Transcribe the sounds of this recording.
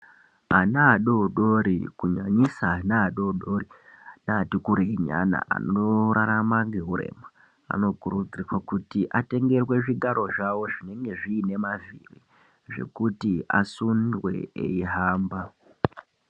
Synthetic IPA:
anaːɗo̞ɗoɾikuɲaɲisaːnaːɗoɗo̞rinaːtikuɾeiɲa̰na̰ʔa̰noɾaɾamaŋɡe̞ɦuɾe̞̰ːma | a̰no̞kuɾud͡ziirwakutiʔate̞ŋɡe̞rwe̞ʐiɡʱaɾo̞ʐawo̞ʐine̞ŋɡe̞ʐiːne̞mavḭrḭ | ʐe̞̰kutia̰sundwe̞̰ḛiɦaːmba

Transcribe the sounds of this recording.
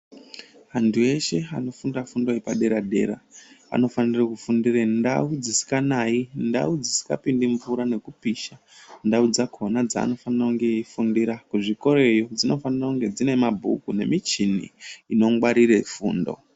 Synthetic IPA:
antʰue̞ʃe̞ano̞fundafundoepaɗe̞ɾaɗe̞ɾa̰a̰no̞fanirakufundirenda̰ud͡zisi̥kanainda̰ud͡zisi̥ka̰pindiɱvuɾane̞kupiʃa | ndaud͡zakʰo̞nad͡za̰ːno̞fanirakuŋɡe̞ifundiɾakuʐiko̞ɾe̞jo̞d͡zino̞fanirakuŋɡe̞d͡zine̞mabʱṵkune̞̰mit͡ʃinḭːno̞ŋɡwaɾirefuːndo̞̰

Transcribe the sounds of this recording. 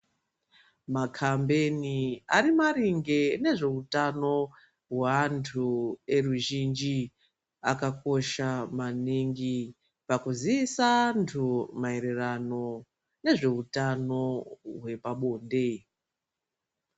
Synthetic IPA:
makʰambe̞niaɾimaɾiŋɡe̞ne̞ʐe̞utano̞ | ɦwantʰue̞ruʒind͡ʒi | akako̞ʃamaniŋɡi | pakuziisantʰumae̞ɾerano̞ | ne̞ʐe̞utano̞ɦwe̞paɓo̞ːnde̞

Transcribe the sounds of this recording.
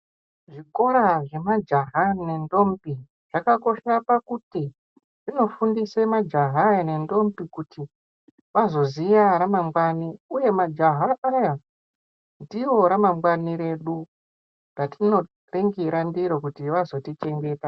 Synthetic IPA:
ʐiko̞ɾaʐe̞mad͡ʒaɦane̞ndo̞mpi | ʐ̥akako̞ʃapakuti | ʐ̥ino̞fundisemad͡ʒaɦaane̞ndo̞mbikutʰi | ʋazo̞ziʋaɾamamɡwaniuje̞mad͡ʒaɦaʔaja | ndiwo̞ɾamamɡwaniɾe̞ɗu | ratino̞ | reŋɡiɾandiɾo̞kutiʋazo̞tit͡ʃe̞ŋɡe̞ːta

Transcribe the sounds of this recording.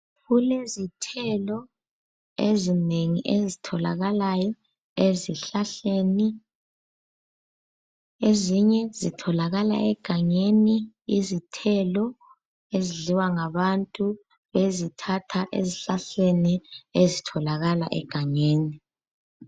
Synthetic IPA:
ɣulezitʰɛlɔ | ezineŋiʔezitʰɔla̰ɣalajɔ | eziɬaɬeni | eziɲɛzitʰɔlaɣala̰ʔɛɡ̥ʱaɲeni | izitʰɛlɔ | eziɮiwaŋaβantʼu | βezitʰatʰaʔḛziɬaɬeniezitʰɔlaɣala̰ʔɛ̰ɡ̥ʱaɲeːni

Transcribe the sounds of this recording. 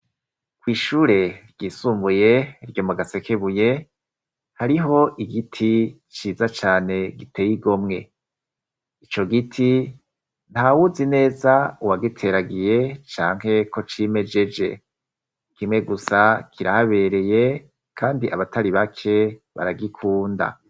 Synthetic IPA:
kwiːʃuːɾe̞ɾɟ̥iːsuːmbuje̞ɾɟo̞muɡase̞keβuje | haɾiɦo̞ʔiɡitʰi | t͡ʃiːzat͡ʃaːne̞ɡitʰe̞ːjiɡo̞mŋe̞ | it͡ʃo̞ɡitʰi | n̥hawuzine̞ːzauwaɡitʰe̞ɾaɡije̞t͡ʃaːŋ̥ɦe̞ko̞t͡ʃime̞d͡ʒe̞d͡ʒe̞ | kimŋe̞ɡusakʰiɾahaβe̞ːɾe̞je | kʰaːndiʔa̰βataɾiβakʰe̞βa̰ɾaɡikʰuːnda̰

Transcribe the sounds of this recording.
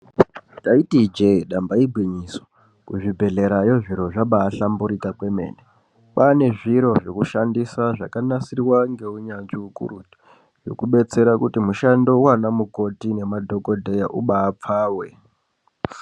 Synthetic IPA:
taitid͡ʒeɗambaibʱɣiɲiso̥ | kuʐibʱe̞ɮe̞ɾajo̞ʐiɾo̞ʐaɓaːɬambuɾitakwe̞me̞̰ːne | ɓane̞ʐiɾo̞ʐo̞kuʃandisaʐakanasirwaŋɡe̞uɲanʐiukṵruti̥ | ʐo̞̰kuɓe̞t͡se̞ɾakutimuʃando̞uwanamuko̞tine̞madʱo̞ko̞dʱejaʔuɓaːp͡faːwe̞

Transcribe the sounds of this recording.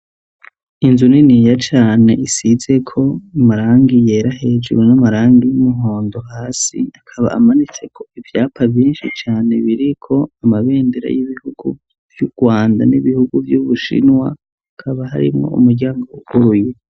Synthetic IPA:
inzuninijat͡ʃaːne̞isize̞kʰo̞amaɾaːŋɡije̞ːɾaɦe̞d͡ʒuɾwenamaɾaːŋɡijumuɦo̞ːndo̞ɦaːsḭakʰaβa̰ʔamanit͡se̞kʰo̞ivjaːpʰaviːnʃit͡ʃaːne̞βiɾikʰo̞amaβe̞ːndiɾa̰jiβihuɡ̥ṵ | v̥juɡ̥waːnda̰niβihuɡuvjuβuʃḭnwa | akʰaβaɦa̰ɾḭmŋo̞̰ṵmuɾɟaːŋɡouhuɾuje

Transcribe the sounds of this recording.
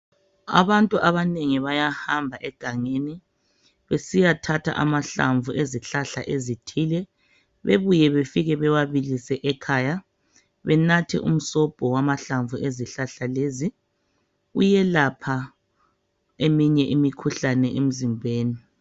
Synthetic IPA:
a̰βantʼuʔaβaneŋiβajahambʱaʔɛɡ̥ʱaŋeni | βesijatʰatʰa̰ʔa̰maɬa̰ɱvuʔeziɬaɬa̰ʔezitʰilɛ | βeβujɛβefiɣɛβɛwaβilisɛʔɛkʰaːja | βɛnatʰɛ̰ʔṵm̩sɔb̥ʱɔwamaɬaɱvueziɬaɬalezi | ṵjɛlapʰa | emiɲɛʔimikʰuɬanɛʔem̩zimbʱeːni

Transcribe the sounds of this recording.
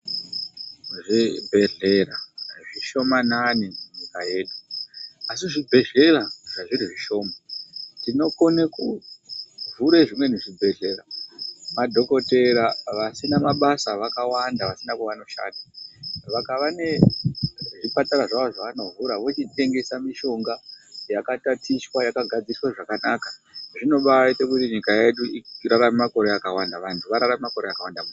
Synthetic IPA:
ʐibʱe̞ɮe̞raʐiʃo̞mananimuɲikaje̞ːɗuasiʐibʱe̞ɮe̞raʐ̥aʐiɾiʐiʃo̞ːmatino̞koneku | vuɾeʐimwe̞neʐibʱe̞ɮe̞ramadʱo̞ko̞te̞ɾaʋasinamaɓasaʋakawandaʋasinakuʋano̞ʃa̰ːnaʋakaʋane̞ | ʐipataɾaʐaoʐaʋanovuɾaʋo̞t͡ʃite̞ŋɡe̞samiʃo̞ŋɡajakatatiswajakaɡʱad͡ziriswaʐakanakḁʐino̞ɓaaitekutiɲikaje̞ɗuiraɾamemako̞ɾeakawandaʋantʰuʋaɾaɾamemako̞ɾeakawandamu

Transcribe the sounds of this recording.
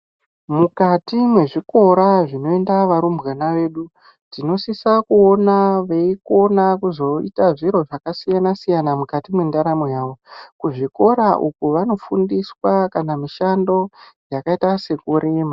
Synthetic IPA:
mukatimwe̞ʐiko̞ɾaʐino̞e̞ndaʋaɾumbɣanaʋe̞ːɗu | tino̞sisakuo̞naʋe̞iko̞nakuzo̞itaʐiɾo̞ʐakasijanasijanamukatimwe̞ndaɾamojaːʋo̞kuʐiko̞ɾaʔukuʋano̞fundiswakanamiʃando̞jakaitase̞kuɾeːma

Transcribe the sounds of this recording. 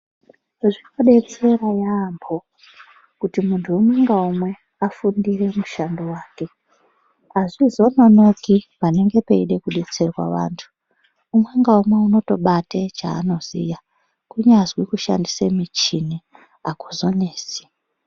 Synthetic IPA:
ʐino̞ɗe̞t͡se̞rajaːmbʰo̞ | kutimuntʰuːmwe̞ŋɡaumwe̞ | afundire̞muʃandowaːke̞ | aʐizo̞nono̞kipane̞ŋɡe̞pe̞iɗe̞kuɗe̞t͡se̞rwa̰ʋa̰ːntʰu̥ː | mwe̞ŋɡaumwe̞uno̞to̞ɓatet͡ʃa̰ːno̞zḭja | kuɲazwikuʃa̰ndisemit͡ʃini | akozo̞neːsi̥

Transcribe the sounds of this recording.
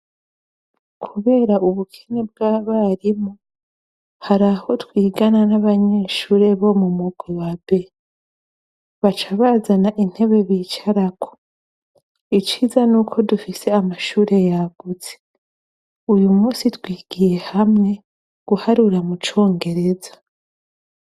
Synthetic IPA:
kʰuβe̞ːɾaʔuβukʰeneb̚ɡaβaɾimo | haɾaho̞twiːɡananaβaɲe̞ʃuːɾe̞βo̞mumuɡwiwabe̞ | βat͡ʃaβazanaʔin̥he̞βe̞βiːt͡ʃaɾakʰo̥ | it͡ʃizanuːkʰo̞dufise̞amaʃuːɾe̞jaɡ̥uze | ujumuːsitwiːɡ̥ije̞hamŋe̞ | ɡ̥uhaɾuɾamut͡ʃo̞ːŋɡe̞ɾe̞za

